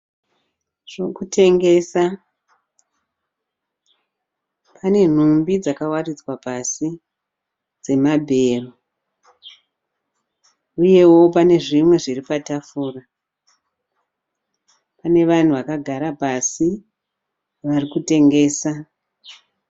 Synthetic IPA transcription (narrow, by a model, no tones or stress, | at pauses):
ʐ̥okutʰe̞ŋɡe̞sa | pʰane̞n̤umbid͡zakawarid͡zwapasi | d͡ze̞mabʱe̞ːru | uje̞wo̞pane̞ʐimwe̞ʐiripatafuːra | pane̞ʋan̤uʋakaɡʱaɾapasi | ʋarikute̞ŋɡe̞ːsa